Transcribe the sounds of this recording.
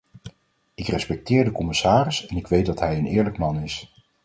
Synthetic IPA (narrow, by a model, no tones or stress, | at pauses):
ɪkrɛspɛk̚tɪːɹdəkɔmɪsaːrɪsɛnɪkʋejt̚dɑtɦɛjənɪːɹləkmɑnɪs